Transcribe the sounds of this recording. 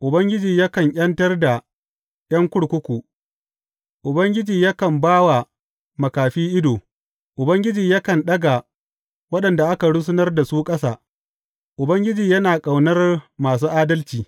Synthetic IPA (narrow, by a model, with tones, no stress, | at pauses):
ʔʊ˨bɐ˦ŋɡʲɪ˦d͡ʒiː˨ja˦kɐ˨ɲʔʲʼɐ˦ntɐ˦rda˨ | j̰ɐ˦ŋkʷʊ˦ɽkʷʊ˦kʷuː˨ | ʔʊ˨bɐ˦ŋɡʲɪ˦d͡ʒiː˨ja˦kɐ˨mbaː˦wa˨ | mɐ˨kaː˨ɸiː˦ʔɪ˦doː˨ | ʔʊ˨bɐ˦ŋɡʲɪ˦d͡ʒiː˨ja˦kɐ˨nɗɐ˦ɡa˨ | wɐ˦ɗɐ˨nda˨ʔa˦ka˨ɽʊ˦s̬ʊ˦nɐ˦rda˨suː˦kʼɐ˦saː˨ | ʔʊ˨bɐ˦ŋɡʲɪ˦d͡ʒiː˨jɐ˦naː˨kʼa˨wnɐ˦rmaː˨s̬uː˦ʔaː˦dɐ˦lt͡ʃiː˨